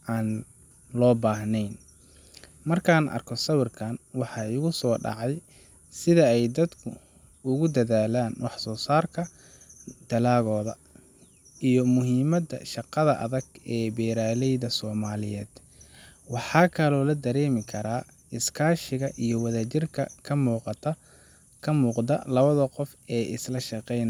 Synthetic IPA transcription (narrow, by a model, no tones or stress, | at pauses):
ʔaːn | lɔːbaːɦnɛjn | mɐrkʰaːnʔɐ̰rkʰɔsɐwɪrkʰaːnwɑħɑːɪɣʊsɔːɖɑ̰ʕɑj | sɪðɐɛjd̪ɐd̪kʰʊ | ʊɣʊd̪ɐðaːlaːnwɑħsɔːsaːrkʰɐ | d̪̥ɐlaːɣɔːðɐ | ʔijɞmʊɦiːmɐd̪ɐ̰ʃɑqɑðɐʔɐ̰ðɐɡɛːbɛːɾaːlɛjðɐsɔːmaːlɪjɛːd̪̥ | wɑħɑːkʰɐlɔːlɐd̪ɐɾɛːmɪkʰɐɾaː | ɪskʰaːʃɪɣɐʔijɞwɐðaːt͡ʃɪrkʰɐ̰kʰɐmuːqɑt̪ʰɐ | kʰɐmuːqd̪ɐlɐβɐðɐqɔf | ɛːʔɪslɐʃɑqɛjnɐ